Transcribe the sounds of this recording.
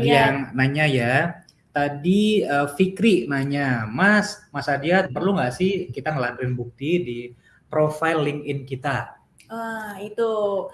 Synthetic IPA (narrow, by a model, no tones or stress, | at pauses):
dijaŋnaɲaja | t̪adiəfikɾinaɲamasmasadiapərluŋɡaʔsɪhkit̪aŋəladuɾɪnbuk̚t̪idi | pɾofajlːɪŋɪnkit̪a | əit̪u